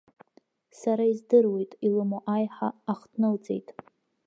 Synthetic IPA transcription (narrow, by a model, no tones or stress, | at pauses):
saɾaizdɨrwe̞jtʼilɨmoʔajħaːχtʰnɨlt͡sʼe̞̰jtʼ